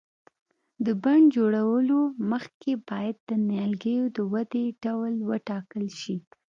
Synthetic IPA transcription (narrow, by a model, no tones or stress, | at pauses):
d̪əbaɳd͡ʒoɽawəloməxkebɑjad̪̚ːənjɑlɡəjod̪əwad̪eɖawəlwəʈɑkəlʃi